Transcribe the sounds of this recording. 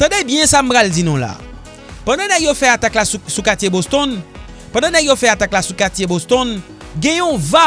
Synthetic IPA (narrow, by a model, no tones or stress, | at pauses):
t̪ɑ̃debjɛ̃sam̩pɣald͡zinũla̰ | pãdãnɛɡjofɛat̪aklasukat͡sjebost̪ɔ̃n | pãdãnɛɡjofɛat̪aklasukatjebost̪ɔ̃n | ɡɛ̃jɔ̃va